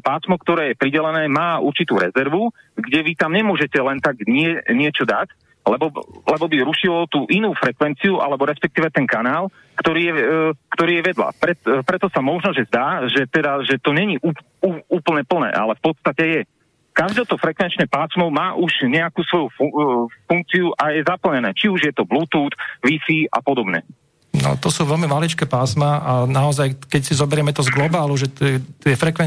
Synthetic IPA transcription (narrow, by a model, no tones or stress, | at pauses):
paːsmɔkt̪ɔɾɛːjɛpɾiɟɛlɛnɛːmaːuɾt͡ʃit̪uːɾɛzɛɾʋu | ɡɟɛʋit̪amɲɛmʊɔʒɛcɛlɛnt̪aɡɲɪɛɲɪɛt͡ʃɔd̪ac | lɛbɔlɛbɔbiɾuʃilɔt̪uːʔinuːfɾɛkʋɛnt͡siuʔa̰lɛbɔɾɛspɛk̚t̪iːʋɛt̪ɛŋkanaːl | kt̪ɔɾiːɛkt̪ɔɾiːjɛʋɛd̪la̰pɾɛpɾɛt̪ɔsamɔʒnɔʒɛzd̪aːʒɛt̪ɛd̪aʒɛt̪ɔɲɛɲiʔuː | uuːpl̩ɲɛpl̩nɛ̰ːʔa̰lɛfpɔt̪st̪acɛjɛ | kaʒd̪ɛːt̪ɔfɾɛkʋɛnt͡ʃɲɛpaːsmɔʊmaːʔuʒɲɛakuːsʋɔjuffuŋk̚t͡siuʔajɛzapl̩ɲɛnɛːt͡ʃiuʒjɛt̪ɔblut̪uːt̪ʋifiːa̰pɔd̪ɔbɲɛ̰ | nɔ̰t̪ɔsuːʋɛlmimalit͡ʃkɛːpaːsmaʔanaɔzajkɛcsizɔbɛɾɪɛmɛt̪ɔzɡlɔbaːluʒɛt̪ɛt̪jɛfɾɛkʋɛ